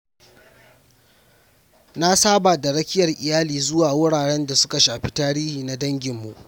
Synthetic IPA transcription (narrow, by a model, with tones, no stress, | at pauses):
na˦saː˦ba˨da˨ɽɐ˦kʲɪ˦jɐ˨rʔɪ˨jaː˦liː˨zʊ˦waː˨wʊ˦ɽaː˨ɽɛ˦nda˨sʊ˦ka˨ʃaː˨ɸi˦taː˦ɽiː˦hiː˨na˦dɐ˦ŋɡʲɪ˨mːṵ˨ʔ